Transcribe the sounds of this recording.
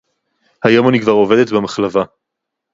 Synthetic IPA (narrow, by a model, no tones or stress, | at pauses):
hajo̞manikvaʁo̞ve̞d̪et̪bemaχlava